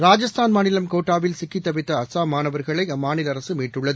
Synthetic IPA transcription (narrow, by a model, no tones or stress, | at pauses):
ɾaːd͡ʒɐst̪ʰaːnmaːnɪlɐmkoːʈːaːʋɪlsɪkːit̪ːɐbɪt̪ːɐːsaːmaːnɐʋɐɾɣɐɭɐɪmaːnɪlɐɾɐsɯmiːʈːɯɭːɐðɯ